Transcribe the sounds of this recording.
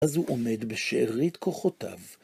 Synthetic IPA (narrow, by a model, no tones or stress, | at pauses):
azhuʔome̞d̪beʃeʔaʁit̪kʰoχota̰v